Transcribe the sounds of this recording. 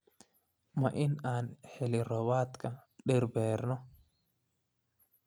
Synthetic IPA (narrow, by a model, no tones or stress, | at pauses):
mɐʔɪnaːnhɛlɪrɔbaːt̪kɐɗɪɾbɛːɾnɔ